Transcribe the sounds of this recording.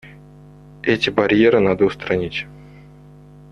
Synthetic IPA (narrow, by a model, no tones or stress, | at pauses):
ɛtʲɪbɐɾʲjeɾɨnad̪əʊst̪ɾɐnʲitʲ